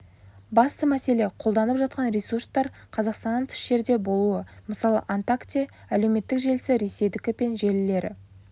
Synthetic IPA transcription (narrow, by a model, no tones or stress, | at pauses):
bɑst̪əmæse̞le̞qʰo̞lˠd̪ɑnəpʒɑt̪̚qɑnɾesurst̪ɑɾqʰɑzɑqst̪ɑnːəɴt̪ʰʏ̥ʃʒe̞ɾd̪e̞bo̞lˠuəməsɑlˠə̰ʔant̪akt̪ʲi | æle̞wme̞t̪ːɪkʒe̞lɪsɪɾe̞se̞jd̪ɪkʲɪpe̞nʒe̞lɪle̞ɾɪ̰